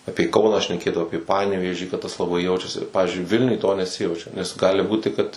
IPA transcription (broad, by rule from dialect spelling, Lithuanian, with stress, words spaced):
ˈɑːpʲeːˈkɐʊnɑː ʃʲnʲɛˈkʲeːdɐʋoː ˈɑːpʲeː ˈpɑːnʲɛʋʲeːʒʲiː kɐt tɐs lˠɐˈbɐɪ ˈjɛʊt͡ʃʲɛsʲɪ ˈpɑːʋʲɪzʲd͡ʒʲʊɪ ˈʋʲɪlʲnʲʊj toː nʲɛˈsʲɪjɛʊt͡ʃʲɛ nʲɛs ˈɡɑːlʲɪ ˈbuːtʲɪ kɐt